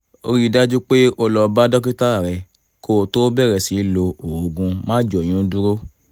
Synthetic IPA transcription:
o̰˧ɾi˦˨da˦d͡ʒu˦k͡pe˦o˦˧lɔ˧ba˦dɔ˦k̬i˦ta˦˨ɾɛ˧ | ko˦˨to˦bɛ˦˨ɾɛ˨si˨˦lo˧o˨o˨ɡũ˧mãː˦d͡ʒɔ˨j̃ũ˨˦du˦ɾo˦

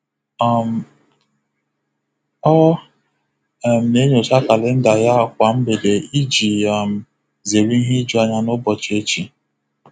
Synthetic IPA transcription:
a˨m˨ | ɔ˦˨ | m̩˨ne˦ɲ˨o˨sa˦ka˨lɪ˦n̩˦da˨ja˦˨kʷa˨m̩˦be˨de˨i˦d͡ʒi˨a˨m̩˨ | ze˨ɾi˦ɦi˦d͡ʒu˦a˨ɲa˦nʊ˦bɔ˨t͡ʃe˦t͡ʃi˨

